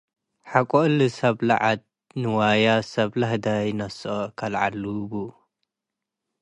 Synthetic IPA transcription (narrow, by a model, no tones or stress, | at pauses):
ħakʷʼoʔlɨsɐβla̰ʕat̪̚ | nɨwajasɐβlahd̪ajnɐsokʰɐlʕa̰lːuɡu